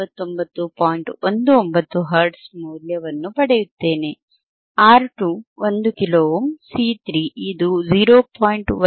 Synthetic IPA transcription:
ɐt̪ːombɐt̪ːupaːjiɳʈʋond̪uombɐt̪ːuɦɐɾʈsmuːljɐʋɐnːupɐɽejut̪ːeːne | aːɾʈuːʋɐnd̪ukiloːmsiːt̪ʰɾiːʔid̪ud͡ʒiːɾoːpaːjiɳʈʋɐ

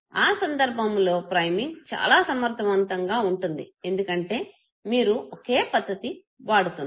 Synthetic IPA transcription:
aːsɐnd̪ɐɾbʱɐmlo̞ːpɾɐjmiŋt͡ʃa̰ːlaːsɐmɐɾt̪ʰɐʋɐnt̪ɐŋɡaːuɳʈund̪ie̞nd̪ukɐɳʈe̞ː | miːɾuoke̞ːpɐd̪ːɐt̪i | ʋaːɽut̪un

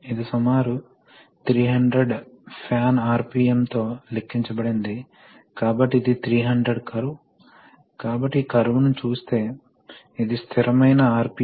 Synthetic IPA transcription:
id̪isumaːɾu | t̪ʰɾiːɦɐɳɖɾeɖpʰjaːnaːɾpiːemt̪o̞ːlekʰːiɲt͡ʃɐbɐɽind̪i | kaːbɐʈːiːd̪it̪ʰɾiːɦɐɳɖɾeɖkɐɾu | kaːbɐʈːikɐɾuʋunut͡ʃuːst̪e̞ː | id̪ist̪ʰiɾɐmɐjnɐaːɾpi

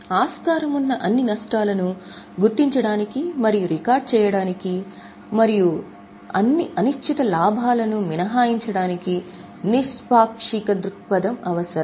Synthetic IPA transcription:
aːskaːɾɐmunːɐʔɐnːinɐʂʈaːlɐnu | ɡuɾt̪iɲt͡ʃɐɽaːnikimɐɾijuɾikaːɾɖ̚t͡ʃɛːjɐɽaːniki | mɐɾiju | ɐ̰nːiʔɐnuʃt͡ʃʰit̪ɐlaːbʱaːlɐnuminɐɦaːjiɲt͡ʃɐɽaːniki | niʂpaːkʂikɐd̪ɾukpɐd̪ɐmɐʋɐsɐɾɐ

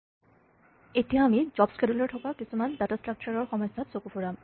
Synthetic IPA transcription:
etiamid͡ʑɔbskeduleɹʈʰɔkakisʰumandatasʈɹak̚t͡ɕaɹɔɹxɔmɔjsʰat̪sokupʰuɹam

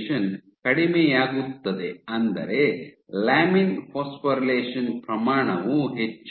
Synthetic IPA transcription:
ʃɐn | kɐɽimejaːɡut̪ːɐd̪e̞ɐnd̪ɐ̰ɾe̞ | laːminfʰoːspɐɾleːʂɐnpɾɐmaːɳɐʋuɦet͡ʃː

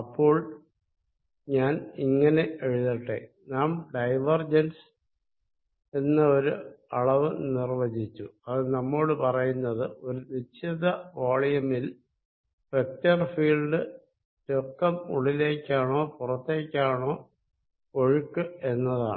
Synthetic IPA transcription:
ɐpːo̞ːɭ | ɲaːniŋːɐne̞eɻuðiʈːḛː | naːmɖɐjʋɐrd͡ʑɐns | e̞nːɐo̞ɾuɐɭɐʋɨnirʋɐd͡ʑit͡ɕːuɐðɨnɐmːoːɽɨpɐrɐjunːɐðɨo̞ɾuʋit͡ɕʰɐðɐʋaːɭijɐmil | rek̚tɐrfiːɭɖɨ | ɾokːɐmuɭile̞ːkʲːaːɳo̞ːpurɐt̪ːe̞ːkʲːaːɳo̞ː | ko̞ɻukːue̞nːɐða̰ː

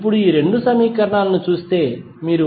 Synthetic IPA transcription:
p̬ːuɽuiːɾe̞ɳɖusɐmiːkɐɾɐɳaːlnut͡ʃuːst̪e̞ː | miːɾu

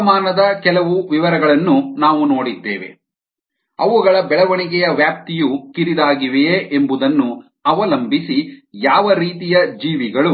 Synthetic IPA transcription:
maːnɐd̪ɐkɛlɐʋuʋiʋɐɾɐɡɐɭɐnːunaːʋuno̞ːɽid̪ːeːʋe̞̰ | ɐʋuɡɐɭɐbɛɭɐʋɐɳiɡɛjɐʋjaːp̚t̪ijukiɾid̪aːɡiʋeʔembud̪ɐnːu | ɐʋɐlɐmbisijaːʋɐɾiːt̪ijɐd͡ʒiːʋiɡɐɭu

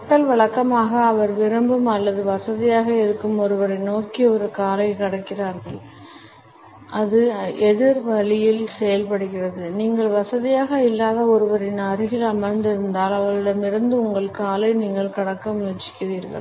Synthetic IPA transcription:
kɐʈːɐlʋɐɭɐkːɐmaːɣɐːʋɐɾʋɪɾɐmbɯmɐlːɐðɯʋɐsɐðɪjaːɣɐɪɾɯkːɯmɔɾɯʋɐɾɐɪnoːkiɔɾɯkaːlɐɪkɪɽɐkːɪraːɾɣɐɭ | ʔɐðɯʔɛðɪɾʋɐɭɪjɪlsɛjɐlpɐɽɯɣɪrɐðɯniːŋɡɐɭʋɐsɐðɪjaːɣɐɪlːaːðɐɔɾɯʋɐɾɪnɐɾɪɣɪlɐmɐɾnd̪ɪɾɯnd̪aːlɐʋɐɭɪɽɐmɪɾɯnd̪ɯʊŋɡɐɭkaːlɐɪniːŋɡɐɭkɐɽɐkːɐmːt͡ʃːɪ̥kːɪriːɾɣɐ̰ɭ

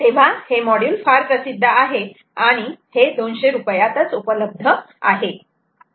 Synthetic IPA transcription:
t̪eʋ̤ahemɔɽjuːlfaɾkəsid̪ʱːəʔaɦe | aɽ̃ihed̪onɕeɾupəjat̪ət͡supələb̚d̪ʱə | a̰ɦe

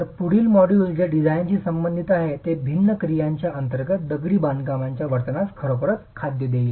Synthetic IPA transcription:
əɾpuɽ̤iːlmɔɽisd͡ʑeɖid͡zajnt͡ɕiːsəmbənd̪ʱit̪aɦet̪ebʱinːəkɾijaɲt͡ɕjaənt̪əɾɡət̪̚d̪əɡɭiːbãnd̪ɡamaɲt͡ɕjaʋəɾt̪ənaskʰəɾopəɾət̪kʰad̪jəd̪el

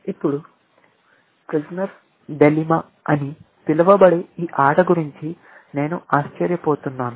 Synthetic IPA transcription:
ipːuɽu | pɾid͡ʒnɐɾ | ɖelimɐ | ɐni | p̪ilɐʋɐbɐɽeiːʔaːʈɐɡuɾiɲt͡ʃi | ne̞ːnuaːʃt͡ʃɐɾjɐpoːt̪unːaːnu

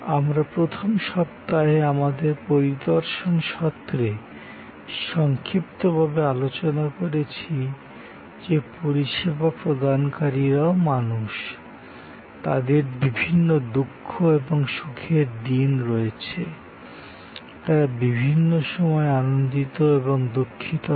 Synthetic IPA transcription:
amɾapɾot̪ʰomʃɔp̚t̪ːaɦeamad̪eɾpoɾid̪oɾʃonʃɔt̪ːɾe | ʃɔŋkʰɾipt̪obʱabealot͡ɕonakoɾet͡ɕʰi | d͡ʑepoɾiʃebapɾod̪ankaɾiɾaomanuʃ | t̪ad̪eɾbibʱinːod̪ukʰːoeboŋʃukʰeɾd̪inɾɔet͡ɕʰe | t̪aɾabibʱinːoʃɔmɔeanond̪it̪oeboŋd̪okʰːit̪o

